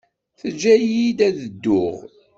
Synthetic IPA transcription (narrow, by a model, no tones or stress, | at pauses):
θəd͡ʒːæjid̪æðəd̪ːʊʁ